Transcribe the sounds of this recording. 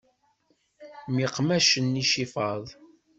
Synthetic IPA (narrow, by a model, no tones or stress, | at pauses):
miqmæʃənːiʃifɑðˤ